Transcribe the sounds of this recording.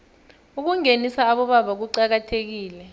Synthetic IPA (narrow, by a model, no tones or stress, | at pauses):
uk̬uŋenisaːɓɔɓaɓak̬uǀak̬atʰek̬iːlɛ